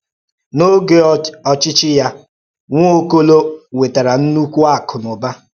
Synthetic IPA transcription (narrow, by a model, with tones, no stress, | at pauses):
no˦ɡe˦ɔ˨t͡ʃɪ˦t͡ʃɪ˦ja˦ | ŋʷ˦o˦ko˦lo˦we˨ta˨ɾa˨n̩˦nu˦kʷu˦a˦˨kʊ˨nʊ˨ba˦